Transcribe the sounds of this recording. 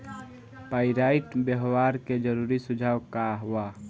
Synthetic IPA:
paiɾaiʈbjəɦwaɾked͡ʒəɾuɾisʊd͡ʒʱaːwkaɦua

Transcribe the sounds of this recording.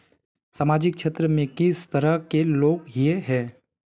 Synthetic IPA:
saːmaːd͡ʒɪkʃeːt̪ɾəmẽkɪst̪əɾəkeloːɡɦjeɦɛ̃ː

